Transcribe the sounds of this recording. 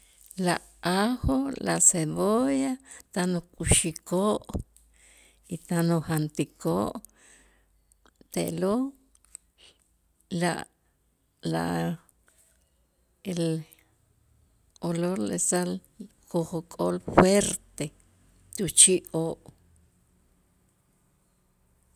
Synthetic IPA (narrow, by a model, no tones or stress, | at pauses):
laʔ | ahola̰seβojat̪anokʼuʃikoʔ | it̪anohant̪ikʰoʔ | t̪eʔlo | laʔ | la̰ʔ | el | oloɾlesalkoχokʼolfweɾt̪e | t̪ut͡ʃiʔoːʔ